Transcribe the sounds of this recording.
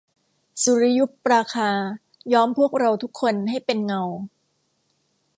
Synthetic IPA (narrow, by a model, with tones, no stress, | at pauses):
su˨˦ɾi˦˥ju˦˥pɾaː˧kʰaː˧ | jɔː˦˥mpʰu˥˩ək̚ɾa˧wt̪ʰu˦˥kʰːo˧nɦa˥˩jpe˧nŋa˧w